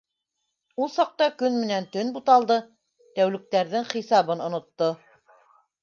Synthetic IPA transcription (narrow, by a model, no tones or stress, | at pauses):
ulˠsɑq̚t̪ɑkɵnmɘ̆nænt̪ɵnbut̪ɑlˠd̪ɤ | t̪æwlɘ̆k̚t̪æɾðɘŋχisɑβɤnŏnŏt̪ːo